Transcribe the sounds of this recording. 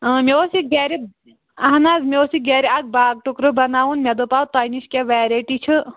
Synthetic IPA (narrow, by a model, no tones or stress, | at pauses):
meosiɡeɾi | ɐɦnaːzmeosiɡɛːɾiɐɡ̚baːɡ̚ʈukɾɨbɐnaːʋunmʲɐd̪opaːwt̪aːjniʃkʲeʋɛːɾeʈit͡ʃʰɨ